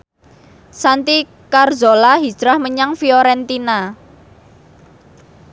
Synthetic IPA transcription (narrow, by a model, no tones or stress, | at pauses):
sant̪i | karzolaɦi̥d͡ʒ̥ɾahməɲaŋfiɔɾɛnt̪ina